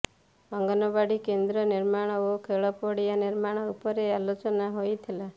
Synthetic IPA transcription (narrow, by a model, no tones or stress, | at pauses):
ɔŋɡɔnɔbaɽikend̪ɾɔniɾmaɽ̃ɔokʰeɭɔpɔɽijaniɾmaɽ̃ɔupɔɾealot͡ʃɔnaɦojt̪ʰila